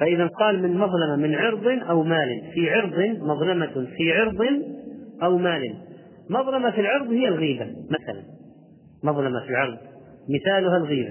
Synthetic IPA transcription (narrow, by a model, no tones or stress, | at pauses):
faʔɪðanqɑːlmɪnmɑðˤlɑmamɪnʕɪɾd̪ˤɨnʔawmaːlɪnfiʕɑɾd̪ˤɨnmɑðˤlɑmafiʕɑɾd̪ˤɨnʔawmaːlɪn | mɑðˤlɑmafilʕɑɾˤd̪ˤhɪjːalɣiːbamaθala̰n | mɑðˤlɑmafilʕɑɾˤd̪ˤ | mɪθaːlʊɦalɣiːba